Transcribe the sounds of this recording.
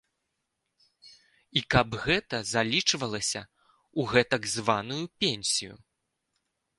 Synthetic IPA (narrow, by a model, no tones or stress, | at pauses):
ikɐbɣɛt̪ɐzalʲit͡ʂvɐlˠɐsʲɐ | uɣɛt̪ɐɡzvanujupʲenʲsʲijṵ